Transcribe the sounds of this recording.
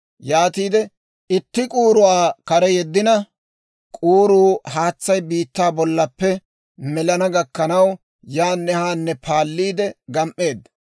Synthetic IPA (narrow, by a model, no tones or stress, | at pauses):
jaːt̪iːd̪ɛ | ɪt̪ːɪkʼuːɾʊwaːkɐɾɛjɛd̪ːɪnɐ | kʼuːɾuːhaːt͡sːɐjbiːt̪ːaːbɔlːɐpːɛ | mɛlɐnɐɡɐkːɐnɐw | jaːnːɛhaːnːɛpʰaːlːiːd̪ɛɡɐmʔːe̞ːd̪ːɐ